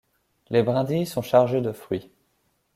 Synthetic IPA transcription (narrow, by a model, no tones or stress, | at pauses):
lebʁɛ̃d̪isɔ̃ʃaʁʒed̪əfχɥi